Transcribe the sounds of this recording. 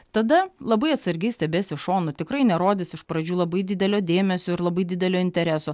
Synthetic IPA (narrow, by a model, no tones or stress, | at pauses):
t̪ɐd̪ɐlˠɐbɐɪɐt̪sɐɾʲɡʲɛɪsʲt̪ʲɛbʲeːsʲɪʃoːnʊt̪ʲɪkɾɐɪnʲɛɾoːd̪ʲɪsɪʃpɾɐd͡ʒʲuːlˠɐbɐɪd̪ʲɪd̪ʲɛlʲoːd̪ʲeːmʲɛsʲoːɪɾlˠɐbɐɪd̪ʲɪd̪ʲɛlʲoːɪnʲt̪ʲɛɾʲæsoː